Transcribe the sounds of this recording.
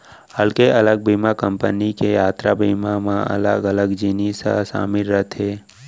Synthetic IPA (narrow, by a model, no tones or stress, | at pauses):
həlkeʔələɡ̚bʱiːmakəmpə̰nikejaːt̪ɾa̰biːmamãə̰ləɡələɡd͡ʒinisa̰sa̰ːmɪlɾət̪ʰeː